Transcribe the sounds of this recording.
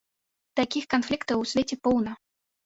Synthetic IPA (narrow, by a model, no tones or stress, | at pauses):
t̪akʲixkanflʲikt̪ɨusʲvʲet͡sʲɛpɔwnɐ